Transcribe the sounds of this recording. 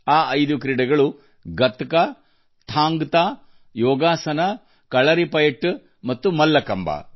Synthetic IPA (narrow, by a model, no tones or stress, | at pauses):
aːʔɐjd̪ukɾiɽɐɡɐɭu | ɡɐt̪ɐkɐ | t̪ʰaːŋɡt̪aː | jɔːɡaːsɐnɐ | kɐɭɐɾipɐjɐʈː | mɐt̪ːumɐlːɐkɐmba̰